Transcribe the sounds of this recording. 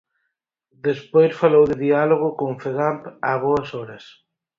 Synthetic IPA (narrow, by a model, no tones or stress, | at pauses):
d̪espojsfalowðɪðialoɣ̞ʊkoŋfeɣampaβoɐsɔɾɐs